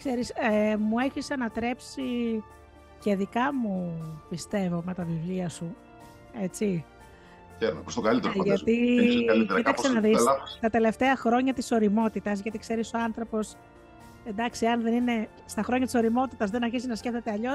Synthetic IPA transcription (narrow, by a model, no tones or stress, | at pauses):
kse̞ɾisemue̞çisɐnɐt̪ɾe̞psi | ceðikɐmupist̪e̞vo̞me̞t̪ɐvivliɐsu | e̞t͡si | seɾonpost̪okɐlit̪eɾoʝɐt̪iɐlieɾik̪ɐksenɐðisɐt̪ɐt̪e̞le̞ft̪e̞ɐxɾo̞ɲɐt̪iso̞ɾimo̞t̪it̪ɐzʝɐt̪ikse̞ɾiso̞ɐnθɾo̞po̞s | e̞nd̪ɐksiɐnðe̞nine̞ | st̪ɐxɾo̞ɲɐt̪iso̞ɾimo̞t̪it̪ɐzðenɐɾçisiznɐsce̞ft̪et̪eɐʎo̞